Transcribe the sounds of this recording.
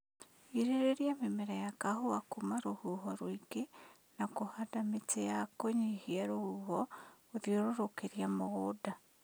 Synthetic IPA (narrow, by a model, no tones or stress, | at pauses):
iɾeɾeɾjamemeɾajakahoakumaɾohuɦɔɾwiɡe | nakohadametejakoɲihiaɾohuhɔoðjoɾoɾokeɾjamoɣoda